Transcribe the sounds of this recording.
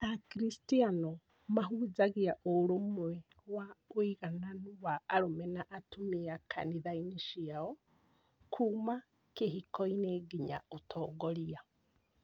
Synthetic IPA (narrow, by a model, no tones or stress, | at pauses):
akiɾistianɔ | maɦuːzaɣiaʔoɾomwɛ | waoiɣananuβaːɾomɛnaʔatumeakʰa̰niðainiʃiaɔ | kʰuːma | keɦikɔineɡiɲa̰otʰɔːɡɔɾia